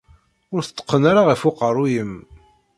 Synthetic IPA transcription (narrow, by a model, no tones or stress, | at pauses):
ʊɾθə̥t̪ˤːə̥qːənaɾaʁifʊqərˤujəm